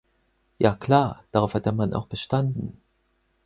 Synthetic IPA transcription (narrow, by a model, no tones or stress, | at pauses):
jaːkʰl̥aːɐd̥aʁaʊfhatd̥eːɐmanʔa̰ʊxb̥əʃtandn̩